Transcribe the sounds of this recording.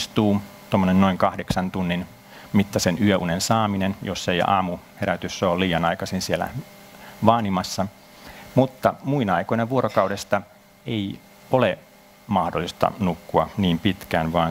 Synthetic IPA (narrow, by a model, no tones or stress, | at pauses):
st̪uː | t̪omːonennoiŋkɑhdeksɑnt̪unːin | mit̪ːɑsenyøʔṵnensɑːminenjosːeiɑ̰ːmuheɾæt̪ysːoːliːjɑnɑikɑsinsielæ̰ | ʋɑːnimɑsːɑ | mut̪ːɑmuinɑikoineʋuoɾokɑuwdest̪ɑ | ei | ole | mɑhdolːˑist̪ɑ̰nukːuɑniːmpit̪kæːnʋɑːn